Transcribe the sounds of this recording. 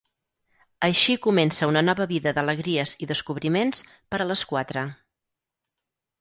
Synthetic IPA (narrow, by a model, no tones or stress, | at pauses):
əʃikumɛnsəunənɔβəβiðəðələɣɾiəziðəskuβɾimens | pəɾələskwat̪ɾə